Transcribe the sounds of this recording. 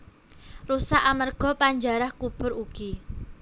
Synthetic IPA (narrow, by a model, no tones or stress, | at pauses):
rusaʔamərɡ̥ɔ̤paɲd͡ʒaɾahkub̥ʊ̤ɾuɡ̥i